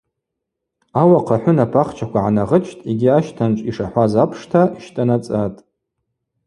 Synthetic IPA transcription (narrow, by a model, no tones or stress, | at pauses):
awaqʰaħʷʊnapʰaχt͡ʃʰakʷaʕanaʁət͡ʃʰʼtʼeɡʲiaʃtʰant͡ʃʼiʂaħʷazapʰʂtʰaiʃtʼanat͡sʼatʼ